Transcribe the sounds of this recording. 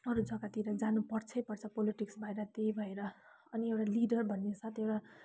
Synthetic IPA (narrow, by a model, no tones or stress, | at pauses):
ʌɾud͡zʱʌkat̪iɾʌd͡zanupʌrt͡sʰʌjpʌrt͡sʰʌpoliʈiksbʱʌeɾʌt̪ejbʱʌeɾʌ | ʌniewʈaliɖʌrbʱʌnːesat̪ʰewʈa